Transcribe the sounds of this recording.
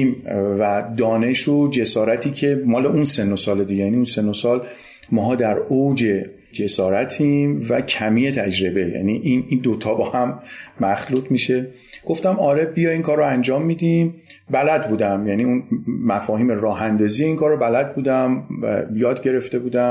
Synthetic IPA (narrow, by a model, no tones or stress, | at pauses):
mvæd̪ɒːne̞ʃod͡ʒe̞sɒːɾæt̪ʰiːcʰe̞mɒːleʔunse̞nosɒːled̪iɟejæniunse̞nosɒːl | mɒːɦɒːd̪æɾowd͡ʒe̞ | d͡ʒe̞sɒːɾæt̪ʰimvæcʰæmiːje̞t̪ʰæd͡ʒɾebe̞jæ̰niʔinid̪ot̪ʰɒːbɒːhæmːæxluːt̪ʰmiʃe̞ | ɡ̥oft̪æmɒːɾe̞bijɒiŋkʰɒːɾːoænd͡ʒɒːmːiːd̪imbælæd̪̚buːd̪æmjæniːunmæfɒːhiːmeɾɒːɦænd̪ɒːzije̞iŋkʰɒːɾːobælæd̪̚buːd̪æm̰jɒːd̪ɟe̞ɾe̞ft̪e̞buːd̪æ